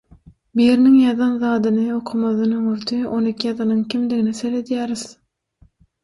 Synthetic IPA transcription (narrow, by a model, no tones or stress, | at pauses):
biɾniŋjɑðɑnðɑːd̪ɯnɯo̞qʰumɑðɯnɯŋøɾt̪ʰyo̞nikʲʰijɑðɑnɯŋkʰʲimd̪iɡiniseled̪jæːɾið̥